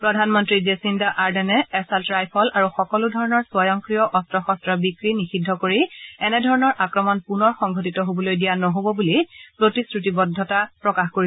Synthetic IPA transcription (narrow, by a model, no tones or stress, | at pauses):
pɹɔdʱanmɔntɹid͡ʒesindaʔaɹdɛnɛɛsaltɹajpʰɔlaɹuxɔkɔludʱɔɹɔnɔɹswɔjɔŋkɹijɔʔɔstɹɔxɔstɹabikɹinixidʱːɔkoɹiɛnɛdʱɔɹɔnɔɹʔakɹɔmɔnpunɔɹxɔŋɡʱotitɔɦobɔlojdijanɔɦobɔbulipɹotisɹutibɔdʱːɔtapɹɔkaxkoi